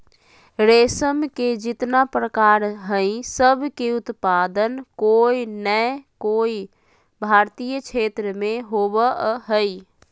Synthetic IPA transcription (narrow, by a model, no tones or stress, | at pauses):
ɾeːsəmked͡ʒɪt̪napɾəkaːɾɦə̃ĩsəbʱkeʊt̪paːd̪ənkoːinəkoːi | bʱaːɾt̪ijəkʰeːt̪ɾəmẽɦobəɦəi